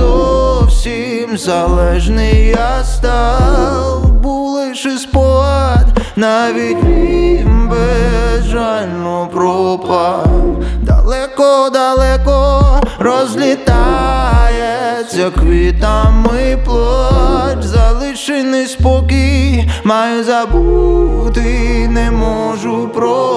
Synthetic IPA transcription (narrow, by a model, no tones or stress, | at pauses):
ɔfsʲimzalˠɛʐnɨjast̪a | lˠbulˠɨʂɨspɔt̪naʋʲidʲʋʲimbɛʐalʲnopɾɔpɐ | d̪a̰lˠɛkɔd̪alˠɛkɔɾɔzʲlʲit̪ajɛsʲɐkʋʲit̪amɨjplˠɔt̪zɐlˠɨʂɨnɨspɔkimajʊzabut̪ɨnɛmɔʒupɾɔ